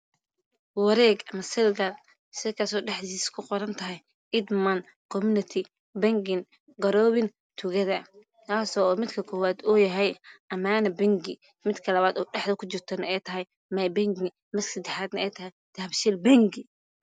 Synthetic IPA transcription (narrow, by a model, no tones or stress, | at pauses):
wɑɾɛːɡɐmɐsɛlɡɐl | sɪkʰasɔːɖɛħd̪iːskʰʊqɔɾɐnt̪ʰɐɦɛj | ɪd̪mɐn | kʰɔmunɪt̪ʰɪ | bɐŋɡɪn | ɡɐɾɔːwɪn | t̪ʰʊɣɐðɐ | k̪ʰaːsɔːmɪd̪kʰɐkʰɔːwaːd̪ɔjɐɦɛjɐmaːnɐbɛŋɡɪ | mɪd̪kʰɐlɐβaːd̪ɔːɖɛħd̪ɐkʰʊt͡ʃɪrt̪ʰɐnɐɛjt̪ʰɐɦɛj | mɐjbɛŋɡɪ | mɐsksɐd̪ɛħaːd̪nɐɛjt̪ʰɐɦɛjd̪̥ɐbʃɪlbɐŋɡɪ